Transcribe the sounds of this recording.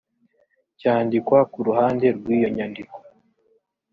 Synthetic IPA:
caːndikwakuɾuhaːnde̞ɾɡwiːjo̞ɲandiko̥

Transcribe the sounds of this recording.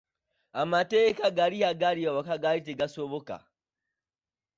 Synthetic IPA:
amateːkaɡaɾihaɡaɾiawakaɡaliteɡasoβoka̰

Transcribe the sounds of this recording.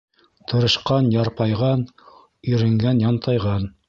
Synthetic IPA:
t̪ʰɤ̆ɾɤ̆ʃqɑnjɑɾpɑjʁɑn | ɵɾɘ̆ŋɡænjɑnt̪ʰɑjʁɑn

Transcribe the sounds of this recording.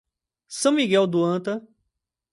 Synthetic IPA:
sɐ̃miɡɛwd̪uɐ̃t̪ɐ

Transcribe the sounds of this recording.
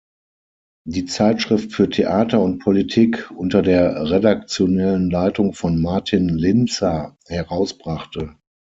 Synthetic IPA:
diːt͡saɪtʃʁ̥ɪftfyːɐtʰeʔaːtɐʊnt̚pʰolitʰiːkʔʊntɐdeːɐʁedak̚t͡sjonɛlənlaɪtʊŋfɔnmaɐtʰɪnlɪnt͡sa | hɛʁaʊsb̥ʁaχtə

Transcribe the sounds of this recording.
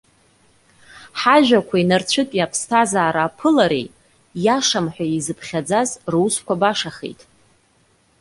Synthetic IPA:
ħaʒᶣakʷʰainart͡ɕʷʰɨtʼjapʰstʰazaːɾaːpʰɨlaɾḛj | jaʂamħʷᶣaizɨpʰχʲad͡zazrwskʷʰabaʂaχḛjtʼ

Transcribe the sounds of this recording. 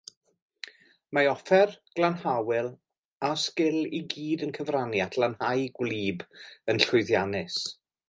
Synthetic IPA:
maɔfɛrɡ̥lˠanhawɪlˠ | askɪlˠiɡiːdənkʰəvranjatʰlanhajɡwliːbənɬʊɨðjanɪs

